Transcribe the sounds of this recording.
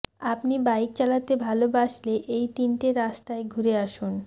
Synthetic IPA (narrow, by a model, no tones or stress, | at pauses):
apnibaik̚t͡ɕalat̪ebʱalobaʃleʔejt̪inʈeɾaʃt̪aeɡʱuɾeaʃun